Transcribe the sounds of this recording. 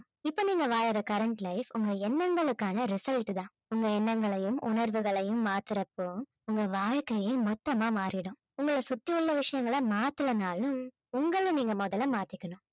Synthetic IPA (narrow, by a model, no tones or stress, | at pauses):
ɪpːoːniːŋɡɐʋaːɻɯɾɐkɐɾɐɳʈlɐɪfʊŋɡɐɛnːɐŋɡɐɭɯkːaːnɐɾɪsɐlʈt̪ãː | ʊŋɡɐɛnːɐŋɡɐɭɐjɯmʊ̰nɐɾʋɯɣɐɭɐjɯmːaːt̪ɪɾɐpːɯ | ʊŋɡɐʋaːɻkɐjemɔt̪ːɐmaːmaːɾɪɽɯ̃ | ʊŋɡɐɭɐsʊt̪ːiʊɭːɐʋɪʂɐjɐŋɡɐɭɐmaːt̪ɯlɐnaːlɯm | ʊŋɡɐɭniːŋɡɐmɔðɐlɐmaːt̪ɪkːɐnʊ̃